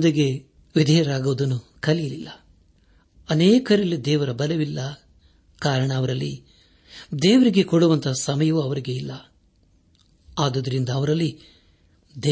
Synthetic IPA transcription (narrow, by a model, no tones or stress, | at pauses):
d̪ɐɡe̞ | ʋid̪ʱɛjɐɾaːɡoːd̪ɐnːukɐlijɐlilːɐ | ɐneːkɐɾɐlːid̪ɛːʋɐɾɐbɐlɐʋilːɐ | kaːɾɐɳɐːʋɐɾɐlːḭ | d̪ɛːʋɐɾiɡe̞koɽuʋɐnt̪ʰɐsɐmɐjɐʋuɐʋɐɾiɡe̞ilːɐ | aːd̪ɐd̪ɐɾind̪ɐːʋɐɾɐlːi | d̪eː